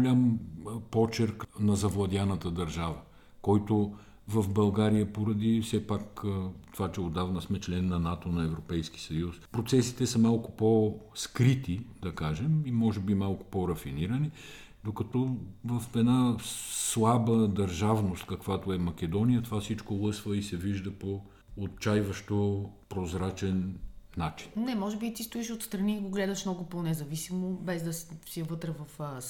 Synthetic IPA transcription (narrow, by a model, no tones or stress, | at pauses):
ʊlʲampɔt͡ʃɛɾknɐzɐvlˠɐd̪ʲanət̪əd̪ɐɾʒavə | kɔjt̪o | vɐfbɐlˠɡaɾijəpoɾɐd̪ifsɛpakt̪ovat͡ʃɛod̪avnɐsmɛt͡ʃlɛnːɐnat̪onɐɛvɾopɛjski̥sɐjuspɾot̪sɛsi̥t̪ɛsəmalˠkʊ̥pɔskɾit̪id̪ɐkaʒɛmimɔʒɛbimalˠkʊ̥poɾɐfiniɾəni | d̪okɐt̪ɔvɐfɛd̪naslˠabəd̪ɐɾʒavnost̪kɐkvat̪oɛmɐk̟ɛd̪ɔnijət̪ovafsit͡ʃkolˠɤsvəisɛviʒd̪əpoː | t̪̚t͡ʃajvəʃt̪opɾozɾat͡ʃɛnːat͡ʃi̥nnɛmɔʒɛbit̪ist̪uiʃot̪st̪ɾɐniːɡoɡlɛd̪ɐʃmnɔɡʊponɛzɐvisimobɛzd̪ɐssiəvɤt̪ɾɛvɐf